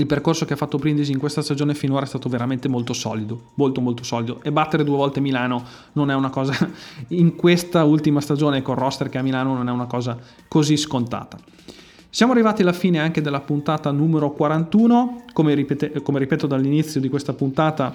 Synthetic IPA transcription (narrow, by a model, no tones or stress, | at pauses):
ilperkorsokeafːat̪ːopɾind̪eziːŋkwest̪ast̪ad͡ʒoːnefinoːɾaɛst̪aːt̪oveɾament̪emolt̪osɔ̰ːlid̪omolt̪omolt̪osɔːlid̪oʔebat̪ːeɾed̪uːevɔlt̪emilaːno | nonɛunakɔːzaiŋkwest̪ault̪imast̪ad͡ʒoːnekːorɔst̪erkeamilaːnononɛunakɔːza | koziskont̪a̰ːt̪a | sjaːmoarːivaːt̪ialafiːneaŋked̪elːapunt̪aːt̪anuːmeɾokwaɾant̪uːnokomeɾipet̪ekomeɾipɛːt̪od̪alːinit̪sːjod̪ikwest̪apunt̪aːt̪a